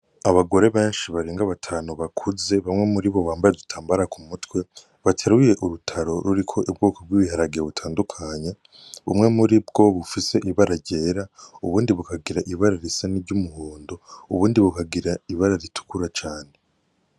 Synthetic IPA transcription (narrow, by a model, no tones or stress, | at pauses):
aβaɡo̞ɾe̞βe̞ːnʃiβaɾeːŋɡaβatʰaːnuβakʰuze̞βamŋe̞muɾiβo̞βaːmbajedutʰaːmbaɾakumutwe̞ | βatʰeɾuje̞ʔuɾutʰaɾo̞ɾuɾikʰo̞ʔibɡuːkob̚ɡiβihaɾaɡijeβutʰaːndukʰaɲe | umŋe̞muɾibɡ̥o̞βufise̞ʔiβaɾaɾɟe̞ːɾauβuːndiβukaɡiɾaʔiβaɾaɾisaniɾɟumuhuːndo̞uβuːndiβukaɡiɾaiβaɾaɾitu̥kuɾat͡ʃaːne̞